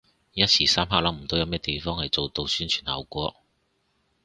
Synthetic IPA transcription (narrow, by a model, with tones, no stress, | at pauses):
jɐ˥t̚sʰiː˨˩saː˥mɦaː˧˥klɐ˨˥ŋm̩˨˩t̪o˨˥wjɐ˨wmɛː˥t̪e˨jfɔː˥ŋhɐ˨jt͡so˨wt̪o˧wsyː˥nt͡ʃʰyː˨˩nhɐ̰˨˧wkʷɔː˧˥